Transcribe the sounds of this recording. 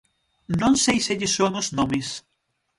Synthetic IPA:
nõŋsejseʎɪsoŋʊznomɪs

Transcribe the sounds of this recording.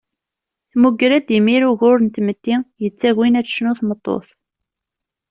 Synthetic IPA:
θmuɡɾæd̪jəmːiɾuʝʊɾənt̪mət̪ːijət͡sːæʝwinæt͡sːə̥ʃnuθmət̪ˤːo̰θˤ

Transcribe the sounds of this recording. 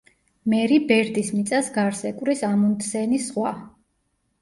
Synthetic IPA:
mɛɾibɛɾd̪ismit̪sʼasɡaɾsɛkʼwɾisamunt̪ʰsɛnisχwa

